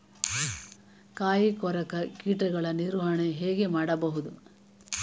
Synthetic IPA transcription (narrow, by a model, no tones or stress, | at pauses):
kaːjikɔɾɐkɐkiːʈɐɡɐɭɐniɾʋɐɳeɦeːɡe̞maːɽɐbɐɦud̪u